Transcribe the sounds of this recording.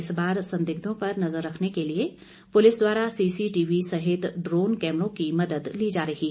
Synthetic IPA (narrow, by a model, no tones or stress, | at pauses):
ɪsbaːɾsɐ̃nd̪ɪɡ̚d̪õpɐɾnɐzəɾːɐkʰnekelie | pʊlɪsd̪waːɾasiːsiʈiːʋisɐɦɪt̪ɖɾoːnkɛːmɾõkimɐd̪əd̪lid͡ʒaːɾɐɦi